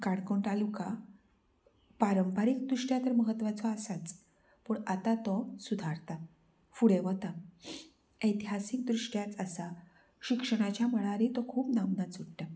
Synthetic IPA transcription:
kaɽkoɳʈ̪aluka | paɾəmpaɾik̚d̪ɾuʂʈjat̪əɾməɦət̪ːʋat͡sɔasat͡s | puɳat̪at̪ɔsud̪ʱaɾt̪a | fuɽeʋət̪a | əjt̪iɦasik̚d̪ɾuʂʈjat͡səsa | ɕikʂəɽ̃at͡ɕjaməɭaɾit̪ɔkʰuːpnamnat͡suʈʈ̪a

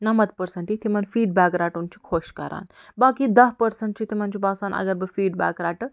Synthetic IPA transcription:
nɐmɐt̪pəɾsəɳʈit̪imɐnfiːɖbaːkɾaːʈunt͡ɕʰi̥kʰoːɕkɐɾa̰ːnbaːkid̪ɐɦpəɾsəɳʈt͡ɕit̪im̤ant͡ʃʰibaːsaːnɐ̰ɡɐɾbəfiːɖba̰ːkɾaːʈə

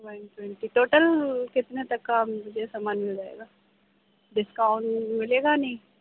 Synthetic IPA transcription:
ʋanʈwɛ̃ɳʈiʈoːʈəlkɪt̪net̪ɐkːamʊd͡ʒʱesamaːnmɪld͡ʒaːḛːɡaː | ɖɪskaʊɳʈmɪleːɡanɐɦĩ

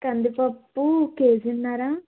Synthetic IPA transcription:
kɐnd̪ipɐpːukeːsinːaɾa

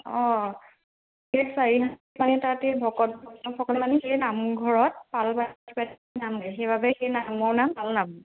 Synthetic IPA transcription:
ɔ̃ | esaɹiɦa | manɛtatɛbʱɔkɔt̚bʱɔnɔxʰɔkɔlmanixejnamɡʱɔɹɔt̚palpatʰipat | namnɛjxejbʱabɛxejnamɔɹnampalnam

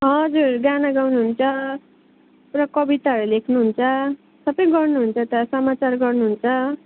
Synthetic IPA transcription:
ɦʌd͡zurɡanaɡawnuɦunt͡sʰʌ | rʌkʌbit̪aɦʌɾulekʰnuɦunt͡sʰʌ | sʌbʌjɡʌrnuɦunt͡sʰʌt̪ʌsʌmat͡sarɡʌrnuɦunt͡sʰʌ

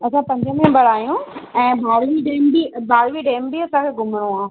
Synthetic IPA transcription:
ɐt͡ɕʰãpɐ̃ɲd͡ʑʱəmẽbɐɽaːjũɛ̃ːbaːɽʋiɖeːmbibaːɽʋiɖeːmbiɐsãkʰeɡʱʊmɽ̃õãː

